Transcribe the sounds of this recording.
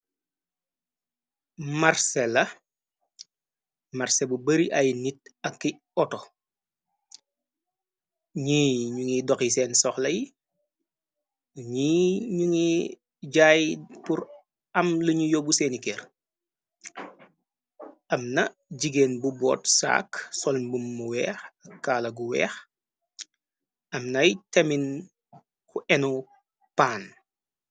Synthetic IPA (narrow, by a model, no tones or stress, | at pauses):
maɾsɛlɐ | maɾsebubɐɾiʔɐjnit̚ɐkːi | ɔtɔ | ɲiːɲuŋidɔkisɛːnsɔxlɐji | ɲiːɲuŋi | ɟaːjpuɾ | ɐmluɲujɔbuseːnikɛːr | ʔɐmnɐ | ɟiɡeːnbubɔ̰ːtsa̰ːksɔlnbumːuwɛːxɐkːaːlɐɡuwɛ̰ːx | ɐmnɐjtɐmin | kʰuʔɛnu | paːn